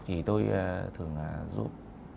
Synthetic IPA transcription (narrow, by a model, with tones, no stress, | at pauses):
t̪ʰi˨˩t̪o˧ja˧˩t̪ʰɨ˨˩əŋa˨˩zṵ˦˥p̚